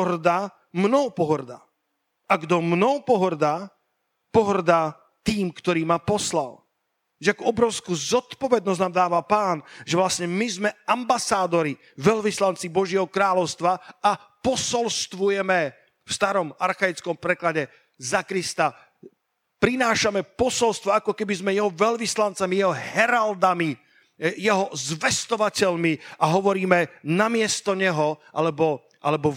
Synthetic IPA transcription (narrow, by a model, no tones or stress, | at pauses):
ɦrd̪a | mnɔpɔɦr̩d̪a̰ː | aɡd̪ɔmnɔpɔɦr̩d̪aː | pɔɦr̩d̪aː | t̪iːmkt̪ɔɾiːmapɔsla̰l | ʒɛakɔɔbɾɔʊskuzɔt̪pɔʋɛd̪nɔznaːmd̪aːʋapaːnʒɛʋlasɲɛmizmɛambasaːd̪ɔɾi | ʋɛʎʋislant͡sibɔʒɪɛɦɔkɾaːlɔʊst̪ʋaa | pɔsɔlst̪ʋujɛmɛ | fst̪aɾɔmaɾxajit͡skɔmpɾɛklaɟɛ | zakɾist̪a | pɾinaːʃamɛpɔsɔlst̪ʋɔakɔkɛbizmɛjɛɦɔʋɛlʋislant͡samijɛɦɔɦhɛɾald̪ami | jɛɦɔzʋɛst̪ɔʋacɛʎmiʔaɦɔʋɔɾiːmɛnamɪɛst̪ɔɲɛɦɔʔa̰lɛbɔ | ʔa̰lɛbɔ